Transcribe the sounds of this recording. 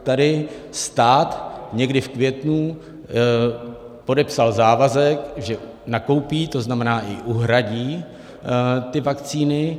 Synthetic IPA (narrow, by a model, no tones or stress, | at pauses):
t̪adɪst̪aːt̪ɲɛɡdɪfkvjɛt̪nu | po̞dɛpsalzaːvazɛkʒɛ | nako̞wpiːt̪o̞znamɛnaːʔɪʔuɦɾaɟiː | t̪ɪvakt͡siːnɪ